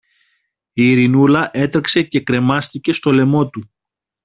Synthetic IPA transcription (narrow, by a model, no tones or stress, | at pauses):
iːɾinulɐʔe̞t̪ɾekse̞ce̞kɾe̞mɐst̪ice̞st̪o̞le̞mo̞t̪u